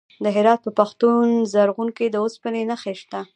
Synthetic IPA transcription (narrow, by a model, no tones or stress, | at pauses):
d̪əɦɪɾɑt̪̚pəpaxt̪unzaɾɣuŋked̪əospənenaxeʃt̪a